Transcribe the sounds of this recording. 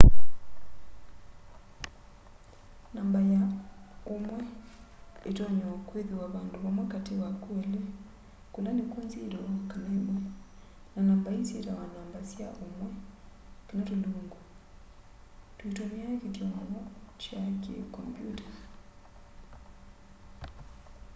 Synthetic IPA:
naːmbajaomwɛ | etɔɲɔakweðiwaβaːndoβamwakatewakuɛlɛ | kolanekonziɾɔkanɛmwɛ | nanaːmbainzḛɾawanaːmbasjaʔomwɛ | kenatuloːŋɡu | twetomiaketjɔmamɔt͡ʃakḛkɔ̰mpjṵtḁ

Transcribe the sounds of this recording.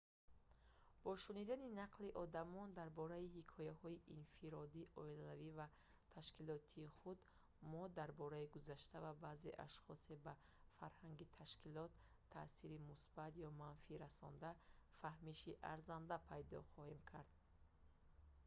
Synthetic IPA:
b̥ɔʃunid̪aninaqliʔɔd̪amɔnd̪aɾbɔɾaihikʰɔjahɔiʔinfiɾɔd̪iʔɔilalaviva | t̪ʰaʃkilɔt̪ʰiːχud̪ | mɔd̪aɾbɔɾaiɡuzaʃt̪avabazḛʔa̰ʃχɔse̞ba | faɾhaŋɡit̪ʰaʃkilɔt̪ʰː | aːsiɾimusb̥at̪jɔmanfiɾasɔ̰nd̪afahmiʃiʔaɾzand̪apʰajd̪ɔ̰χɔhemkʰaɾd̪

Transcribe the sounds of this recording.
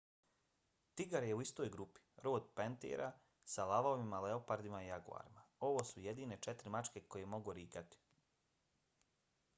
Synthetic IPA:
t̪iɡaɾje̞uist̪o̞ːjɡɾupi̥ɾo̞ːd̪pent̪ḛːɾʔa | salaʋaoʋimale̞opaɾd̪imaijaɡṵa̰ːɾimao̞ʋo̞ːsujed̪iːne̞t͡ʃet̪ɾimat͡ʃke̞ko̞je̞mo̞ɡuɾiːkat̪i̥

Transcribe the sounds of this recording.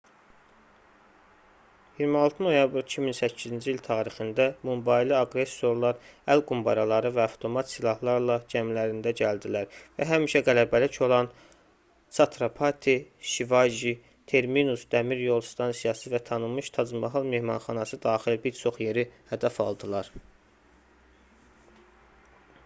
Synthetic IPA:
jiɾmɑlˠt̪ʰɯnojɑbɾicʰiminsæcʰːizind͡ʒiilt̪ʰɑːɾixind̪æmumbɑjliɑɡɾe̞sːo̞ɾlˠɑɾælɡumbɑɾɑlˠɑɾɯvæɑft̪ʰo̞mɑt̪silˠɑhlˠɑɾlˠɑd͡ʒæmlæɾind̪æɟæld̪ilæɾvæɦæmiʃæɡælæbælicʰo̞lˠɑn | sɑt̪ʰɾapʰɑt̪ʰiʃivɑjʒi | t̪ʰe̞ɾminusd̪æmiɾjo̞lˠst̪ʰɑnsijɑsɯvæt̪ʰɑnɯmɯʃt̪ʰɑzmɑɦɯlˠme̞hmɑnχɑnɑsɯd̪ɑːχilbiɾt͡ʃʰo̞χje̞ɾihæd̪æfɑ̰lˠd̪ɯlˠɑɾ

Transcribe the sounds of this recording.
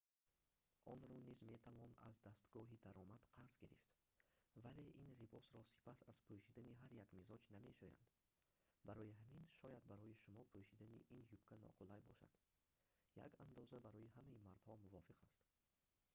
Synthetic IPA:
ʔɔnɾɔnizme̞t̪ʰavɔna̰zd̪ast̪ɡɔɦid̪aɾɔmad̪̥qʰaɾzɡiɾift̪ | vale̞ʔinribɔsɾɔsi̥pʰasaz̥pʰoʃid̪aniɦaɾjaɡmizɔd͡ʒnamḛʃoja̰nd̪ | baɾɔjiɦaminʃɔjad̪̚baɾɔjiʃumɔpʰuʃid̪anḭʔinjubkʰanɔ̰qʰulajbɔ̰ʃa̰d̪̥ | ja̰kand̪ɔzabaɾɔjihamaimaɾd̪hɔmuvɔfiqʰast̪

